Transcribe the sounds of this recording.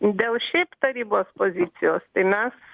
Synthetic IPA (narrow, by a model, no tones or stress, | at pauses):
d̪ʲeːlˠʃʲɛɪpt̪ɐɾʲiːboːspoːzʲɪt̪sʲɪjoːst̪ɐɪmʲɛs